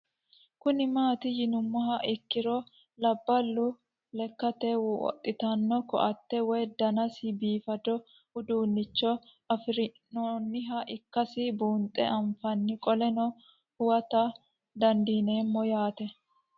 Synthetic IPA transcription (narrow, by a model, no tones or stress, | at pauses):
kʊnɪmaːt̪ɪjɪnʊmːɐɦɐʔɪkːɪɾɔ | lɐbːɐlːʊ | lɛkːɐt̪ɛwɔ̰t̪ʼːɪt̪ɐnːɔkɔ̰ʔɐt̪ːɛwɔjd̪ɐnɐsɪbiːfɐd̪ɔ | hʊd̪uːnːɪt͡ʃːɔ | ɐfɾɪnonːɪɦɐʔɪkːɐsɪbuːnt̪ʼːɛ̰ɐɱfɐnːɪkʼɔlɛnɔ | hʊwɐt̪ɐ | d̪ɐnd̪iːneːmːɔjaːt̪ɛ